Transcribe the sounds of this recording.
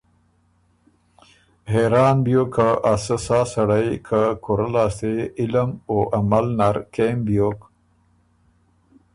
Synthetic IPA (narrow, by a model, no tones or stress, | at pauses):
ɦeɾɑːnbjokʰaʔasəsɑːsaɽajkʰakʰoɾalaːst̪eɪlamoʔamalnaɾkembjok